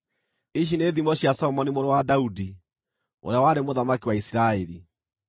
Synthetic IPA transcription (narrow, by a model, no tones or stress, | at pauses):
iɕ̬ineðimɔɕjasɔɔmɔnimoɾowadaudi | o̰ɾeawaɾemoðamakiwaisiɾaɛɾi